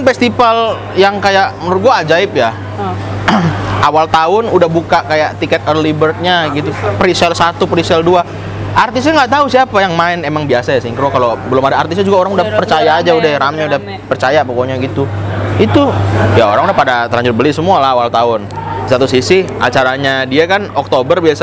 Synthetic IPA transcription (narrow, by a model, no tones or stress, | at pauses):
nfɛst̪ipal | jaŋkajaʔmənʊɡuaːd͡ʒaɪp̚ja | ʔawalt̪aʊnudahbukaʔkajaʔt̪ikɛt̪̚ərlibərt̪̚ɲaɡit̪upɾisɛlsat̪upɾisɛldua | art̪ɪsɲaŋɡaʔt̪ausiapajaŋmaɪnemaŋbiasajasiŋkɾokalobəlʊmadaːrt̪ɪs̬ɲad͡ʒuɡaoɾaŋudahpərt͡ʃajaːd͡ʒaudaɾamɲaudah | pərt͡ʃajapokoɲaɡit̪uit̪ujaoɾaŋudahpadat̪əɾlaɲd͡ʒʊt̪̚bəlɪsəmualaɦawalt̪aʊnisat̪usisi | a̰t͡ʃaɾaɲadiakanɔk̚t̪obərbias